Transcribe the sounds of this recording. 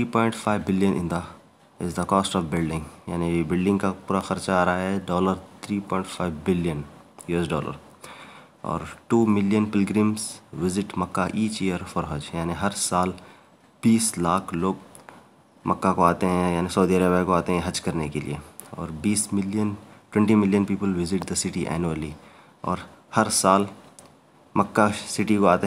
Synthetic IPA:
ɾiːpɔ̃ːɪɳʈfaɪʋːɪljənʔɪ̰̃nd̪a | ɪzd̪əkɔːsʈɔːʋbɪlɖɪ̃ŋɡjaːnibɪlɖɪ̃ŋɡkapuːɾaxɐɾt͡ʃaaːɾaɦaɦɛɖɔːləɾt̪ʰɾiːpɔ̃ːɪ̃ɳʈfʰaːɪʋbɪlijənjusɖɔːlə̰ɾ | ɔ̰ːɾʈuːmɪljənpɪlɡɾĩːmsʋɪzɪʈmɐkːaʔiːt͡ʃijəɾfɔːɾɦɐd͡ʒjaːniɦɐɾsaːl | b̥iːslaːkʰloːɡ̚ | mʔɐkːakoaːt̪eɦɛ̃jaːnisɐːd̪iəɾəbjakoaːt̪eɦɛ̃ɦɐd͡ʒkɐɾnekelḭḛɔ̰ːɾbiːsɪlənʈwɛ̃ɳʈimɪljə̃npiːpəlʋɪzɪʈd̪əsɪʈiʔɛ̰ːnuəli | ɔ̰ːɾ | hɐɾsaːl | mɐkːasɪʈikoaːt̪e

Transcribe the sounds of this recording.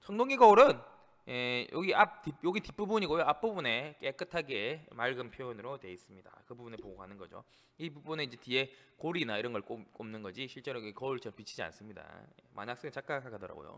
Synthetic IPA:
t͡ɕʰʌŋdoŋiɡʌuɾɯn | jejʔo̰ɡiʔap̚tip̚joɡitip͈ubuɲiɡojoap͈̚ubune̞k͈e̞k͈ɯtʰaɡe̞maɭɡɯmpʰjoonɯɾotwe̞is͈ɯmɲida̰kɯbubune̞poɡoɦanɯnɡʌd͡ʑo̰ | ibubuneind͡ʑe̞tie̞koɾinaiɾʌnɡʌɭk͈omk͈omnɯnɡʌd͡ʑiɕʰiɭt͡ɕ͈e̞ɾoɡekʌuɭt͡ɕʌpit͡ɕʰid͡ʑia̰ns͈ɯmɲida̰jḛmʔa̰ɲak̚s͈eŋet͡ɕ͈ʰak͈akʰakʰadʌɾa̰ɡo̰jo̰

